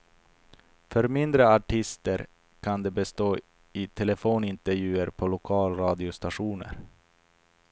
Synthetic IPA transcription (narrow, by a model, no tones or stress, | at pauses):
fœɾmɪnd̪ɾəaʈʰɪst̪əɾ | kʰand̪ɛbɛst̪oː | ɪt̪ʰɛlɛfoːnɪnt̪əɾjʉ̟ːəɾpʰɔlʊkʰɑːlɾɑːd̪ɪʊst̪aʂuːnə̰ɾ